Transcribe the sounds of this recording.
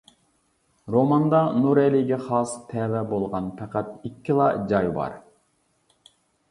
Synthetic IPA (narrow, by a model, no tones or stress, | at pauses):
ɾomɑnd̪ɑnuɾeliɡʲɛχɑːst̪ʰɛːvɛbolˠʁɑnpʰæqæt̪ikʲʰːilˠɑd͡ʒɑjbɑ̰ɾ